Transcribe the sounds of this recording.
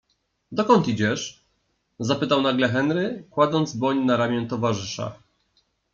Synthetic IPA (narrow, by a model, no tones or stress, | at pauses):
d̪ɔkɔnt̪id͡ʑɛʂ | zapɘt̪awnaɡlɛxɛnɾɘkwad̪zɔnd̪zbɔɲnaɾamʲjɛnt̪ɔvaʐɘʂa̰